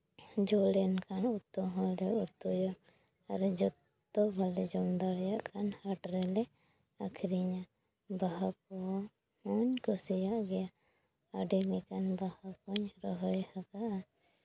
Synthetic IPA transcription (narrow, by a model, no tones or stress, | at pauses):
d͡ʒɔlɛnkʰanut̪ːɔɦɔ̃lɛut̪ːɔjɔ | aɾɛd͡ʒɔt̪ː | ɔbʱalɛd͡ʒɔmd̪aɽjaʔkʰanhaʈɾɛlɛ | akʰɾiɲa | baɦak̚ɔ | hɔɲkɔsijaʔɡɛja | aɖilikanbahakɔɲɾɔɦɔjhakaʔa